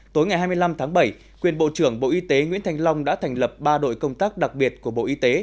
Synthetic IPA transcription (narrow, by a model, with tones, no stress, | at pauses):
t̪o˨˦jŋa˨˩jɦaː˧mɨ˧la˧mt̪ʰaː˨˦ŋɓə˧˩j | kwi˨˩ənɓo̰˧˨t͡ɕɨ˧˩əŋɓo̰˧˨ʔi˧t̪e˨˦ŋwḭ˧˥nt̪ʰa˧jŋ̟la˧wŋ͡mɗa̰ː˧˥t̪ʰɛ˨˩ŋ̟lə˨˩p̚ɓaː˧ɗo̰˧˨jkə˧wŋ͡mt̪aː˦˥k̚ɗa˨˩k̚ɓi˨˩ət̚ku˧˩əɓo̰˧˨ʔi˧t̪e˨˦